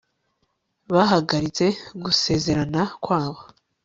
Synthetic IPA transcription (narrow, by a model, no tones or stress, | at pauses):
βaɦaɡaɾit͡se̞ɡuse̞ze̞ɾanakwaːβo